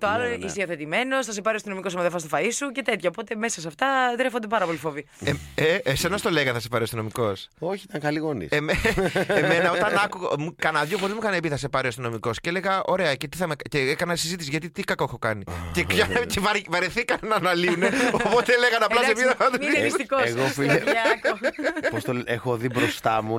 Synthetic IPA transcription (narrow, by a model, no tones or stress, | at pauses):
t̪oɐloisioθet̪ime̞nosθɐs̬epɐɾioɐst̪ino̞mikosɐmɐðefɐst̪o̥fɐisuce̞t̪e̞t̪çɐopo̞t̪emesɐs̬eɐft̪ɐt̪ɾefond̪e̞pɐɾɐpo̞lifovi | eesenɐst̪o̞leɣɐθɐsepɐɾiost̪ino̞miko̞soçiit̪ɐŋxɐliɣonḭsemeeme̞nɐo̞t̪ɐnɐkuɣmukɐnɐðʝopot̪ezmukɐnepiθɐsepɐɾiost̪ino̞miko̞sceele̞ɣɐʔo̞ɾe̞ɐcet̪i̥θɐmekceekɐnɐisizit̪isiʝɐt̪it̪ikɐkoexo̞kɐnicepjɐcevɐɾvɐɾeθikɐnnɐːnɐliuneoopot̪eleɣɐnɐplɐssemiɐðɐɐt̪uist̪ikoeɣofikpost̪oexoðibɾost̪ɐmu